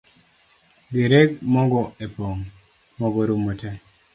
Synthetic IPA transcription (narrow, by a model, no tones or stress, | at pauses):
ɡeɾeɡmɔɡɔepoŋ | mɔɡɔɾumːote